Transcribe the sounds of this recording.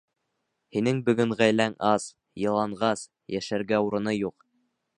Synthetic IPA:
hinɘŋbɵ̆ɡɵŋʁæjlæŋɑs | jɤ̆lˠɑɴɢɑs | jæʃæɾɡæuɾɤ̆nɤjuq

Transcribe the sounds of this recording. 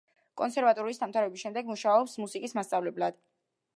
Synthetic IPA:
kʼɔnsʰɛɾvat̪ʼɔɾuisd̪amt̪ʰaɾɛbisʃɛmd̪ɛɡmuʃaɔpsmusikʼismast̪sʼavlɛblad̪̥

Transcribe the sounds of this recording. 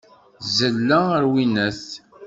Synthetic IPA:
zəlːæəɾwinæθ

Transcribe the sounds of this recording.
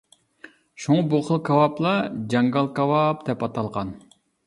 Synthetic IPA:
ʃuŋɑbuχəlˠkʰɑwɑplˠɑd͡ʒɑŋɡɑlˠkɑwɑpd̪̥ɛpɑt̪ʰɑlˠʁɑn

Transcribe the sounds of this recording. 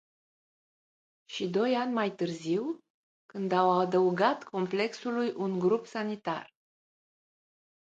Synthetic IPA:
ʃid̪o̞janʲmajt̪ɨrziw | kɨnd̪awad̪əuɡat̪kʰo̞mple̞ksulujʔunɡɾupsanit̪a̰r

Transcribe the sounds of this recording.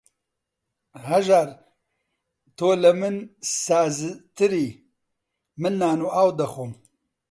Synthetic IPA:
hɐʒaɾ | t̪ʰoːlɐmɨnsaːzɨt̪ɨɾiː | mɨnːaːnuːaːwd̪ɐxum

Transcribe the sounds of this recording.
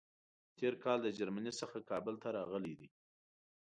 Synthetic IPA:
t̪ʰeɾkɑld̪əd͡ʒaɾmanisəxakɑbəlt̪aɾɑɣəlid̪i

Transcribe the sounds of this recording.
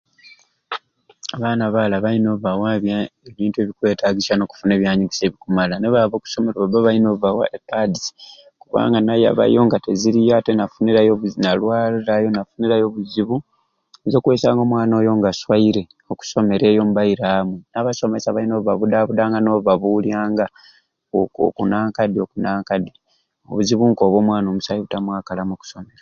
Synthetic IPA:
aβaːnaβaːlaβaino̞βawaβjaeβiːntue̞βikwe̞ːtʰaɡisano̞ku̥fune̞ːβjaːɲiɡise̞ːβikumalaneβaβo̞ːku̥so̞meɾoβaβeβainovawa̰ʔekːadisi̥ | kuβa̰ːŋɡanaja̰βa̰jo̞ːŋɡateziɾijatenafuniɾajoβnalwaːliɾajo̞nafuniɾajo̞βuziβu | zokwesaːŋɡo̞mwaːnoːjo̞ŋɡaswaiɾe̞ | oku̥so̞me̞ɾe̞ːjo̞mubaiɾaːmwenaβaso̞me̞saβainoββaβudaβudaːŋɡano̞βaβuljaːŋɡa | o̰kunaːŋkadiokunaːŋkadi | o̰βuziβuŋko̞ːβo̞ːmwaːno̞musajiβutamwaːkalamoku̥some̞ɾa

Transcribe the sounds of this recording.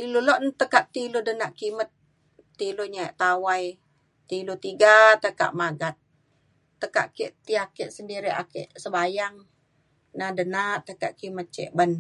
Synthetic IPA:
iluloʔnt̪əkaʔt̪iludənaʔkimət̪̚ː | iluɲaeʔt̪awaj | t̪ilut̪iɡat̪əka̰ʔmaɡat̪̚ː | əka̰ʔkeʔt̪iakeʔsəndiɾia̰kḛʔsəbajaŋ | nadənaʔt̪əka̰ʔkimət̪̚t͡ʃɛ̰ʔbən

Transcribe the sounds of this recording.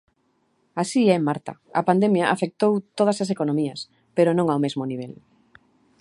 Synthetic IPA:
asiɛemːaɾt̪a̰a̰pand̪emjaʔafek̚t̪owt̪oð̞ɐsas̬ekonõmias | peɾonõŋawmezmoniβ̞el

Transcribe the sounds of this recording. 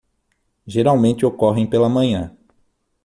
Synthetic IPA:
ʒeɾawmẽnt͡ʃɪokɔɦẽj̃pelɐmɐ̃ɲɐ̃

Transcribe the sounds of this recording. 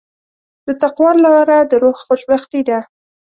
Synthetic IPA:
d̪̥ət̪aqwɑɾlɑɑɾad̪əɾoɣxoʃbaxt̪id̪a

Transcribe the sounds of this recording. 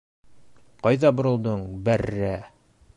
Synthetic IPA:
qɑjðɑbŏɾɤ̆lˠd̪ɤɴbærːæ

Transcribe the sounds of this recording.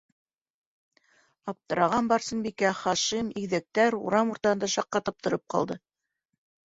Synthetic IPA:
ɑp̚t̪ɤ̆ɾɑʁɑnbɑɾsɤnbikæχɑʃimiɡðæk̚t̪æɾṵɾɑmuɾt̪ɑɤ̆nd̪ɑʃɑqːɑt̪ɤp̚t̪ŏɾɤp̚qɑ̰lˠd̪ɤ

